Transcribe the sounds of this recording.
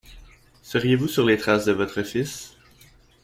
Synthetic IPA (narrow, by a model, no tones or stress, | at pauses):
səʁjevusyʁlet̪χasd̪əvɔt̪χəfis